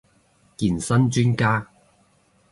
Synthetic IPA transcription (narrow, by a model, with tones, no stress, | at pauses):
kiː˨˩nsɐ˥nt͡ʃyː˥nkaː˥